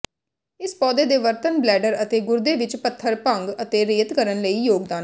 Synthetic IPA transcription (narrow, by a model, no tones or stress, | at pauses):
ɪspɔːd̪eːd̪eːʋəɾt̪ənblɛːɖəɾət̪eːɡʊɾd̪eːʋɪt͡ʃpət̪ʰːəɾpə̃ŋɡət̪eːɾeːt̪kəɾənləiːjoːɡd̪aː